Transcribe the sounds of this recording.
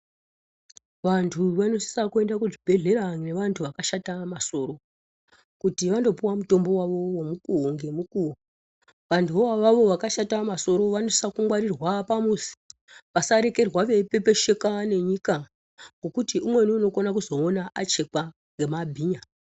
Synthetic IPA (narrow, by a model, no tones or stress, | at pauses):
ʋantʰuʋano̞si̥sakue̞ndakuʐibʱe̞ɮe̞ɾane̞ʋantʰuʋakaʃatamaso̞ɾo̞ | kutiʋando̞puwamuto̞mbo̞waʋo̞womukuoŋɡe̞mukuo | ʋantʰuoaʋaʋo̞ʋakaʃatamaso̞ɾo̞ʋano̞si̥sakuŋwaɾirwapamuzi̥ | ʋasaɾe̞ke̞rwaʋe̞pepe̞ʃe̞kane̞ɲika | ŋɡo̞kutiumwe̞niuno̞konakuzo̞ːnaʔat͡ʃe̞ka | ŋɡemabʱiːɲa